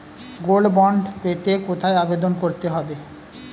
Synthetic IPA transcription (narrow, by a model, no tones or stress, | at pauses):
ɡolbɔɳɖpet̪ekot̪ʰaeabed̪onkoɾt̪eɦɔbe